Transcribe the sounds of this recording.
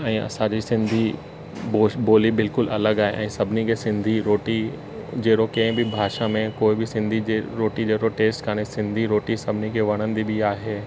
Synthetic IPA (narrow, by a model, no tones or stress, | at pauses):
ɛ̃ːɐ̰sãd͡ʑisɪ̃nd̪ʱi | boboːlibɪlkʊlɐləɡaːɦḛʔɛ̰̃ːsɐbʱɪnikʰeːsɪ̃nd̪ʱiɾoːʈi | d͡ʑeːɾokɐ̃ɦɪ̃bɪbʱaːʃamẽkoːɪbɪsɪ̃nd̪ʱieɾoːʈid͡ʑeːɽoʈeːsʈkʰaːɽ̃esɪ̃nd̪ʱiɾoːʈisɐbʱɪnikʰeːʋɐɽ̃ənɪ̆d̪ibiaːɦeː